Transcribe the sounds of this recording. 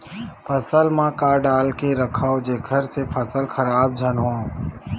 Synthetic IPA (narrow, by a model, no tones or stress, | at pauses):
fʰəsəlmãkaɖaːlkeɾəkʰaːod͡ʒeːkʰəɾsefʰəsəlxəɾaːb̚d͡ʒʱənɦõː